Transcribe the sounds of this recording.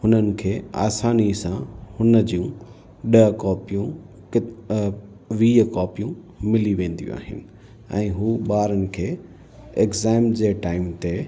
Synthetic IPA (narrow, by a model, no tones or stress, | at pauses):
hʊnənɪ̆kʰeːa̰ːsaːnisãhʊnəd͡ʑiũ | ɗɐɦkɔːpijũ | k | ʋiːəkɔːpijũ | mɪliʋẽːn̆d̪ijṵ̃a̰ːɦɪ̰nɪ̆ | ɛ̰̃ːɦuːɓaːɾənɪ̆kʰeː | ekzaːɪmd͡ʑeːʈaːɪmt̪e